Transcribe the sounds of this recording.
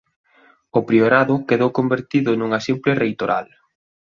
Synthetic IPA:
ʊpɾioɾaðʊkeðowkombeɾt̪iðʊnuŋɐsimplɪrejt̪oɾa̰l

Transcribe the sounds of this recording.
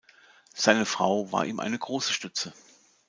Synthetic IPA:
z̥aɪnəfʁ̥a̰ʊva̰ːɐʔḭːmʔa̰ɪnəɡʁoːsə̥ʃtʏt͡sə

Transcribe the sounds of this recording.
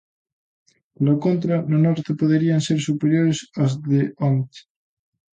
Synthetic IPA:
lokont̪ɾanonɔɾt̪epoðeɾianseɾsupeɾjoɾesazðeont̪

